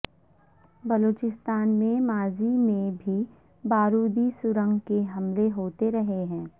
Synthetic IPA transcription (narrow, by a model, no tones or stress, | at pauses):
bɐloːt͡ʃɪst̪aːnmẽmaːzimẽbʱi | baːɾuːd̪isʊɾə̃ŋɡkeɦɐmleɦoːt̪eɾɐɦeɦɛ̃ː